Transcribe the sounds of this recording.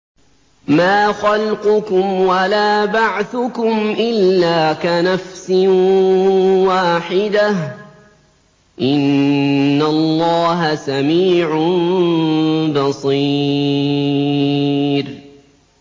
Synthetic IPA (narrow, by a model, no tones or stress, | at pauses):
maːxalqʊkʊmwalaːbaʕθʊkʊmʔɪlːaːkanafsɪ | waːħɪd̪ah | ʔɪnː | alːɑːɦasamiːʕ | bɑsˤi | ɾ